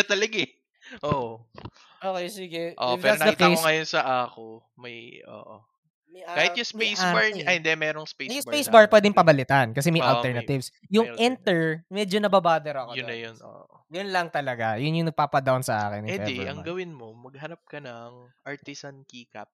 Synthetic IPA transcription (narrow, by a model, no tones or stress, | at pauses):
ɐt̪ɐlɐɡɛ | ʔoʔ | ʔoːkejsiɡɛʔo̰fɛɐɾsɐkd̪ɐik̪ejoŋɐjonsɐʔaːko | mɐjʔo̰ːʔo | mɐjakːaːhɪt̪jʊŋsejsaaɹɐhɪnd̪ɛmɛːɾoŋspejʊŋspejsbaɹpwɛːd̪ɪŋpɐbɐlɪt̪ankɐs̬ɛmɐjʔɐlt̪ɛɹnɐt̪ɪvsjʊŋʔɛnt̪ɛɹmɛd͡ʒonɐbabaːd̪ɛɾɐɐkojʊnːɐjono̰ːʔ | jʊnlɐŋt̪ɐlɐɡajʊnjʊŋnɐɡ̚paːpɐd̪awnsɐʔa̰ːkɪ̰nɪɛɛɛʔɐŋɡɐwɪnmomɐɡ̚hɐnɐp̚kɐnɐŋʔaɹt̪ɪsɐnkiːkɐ̰p̚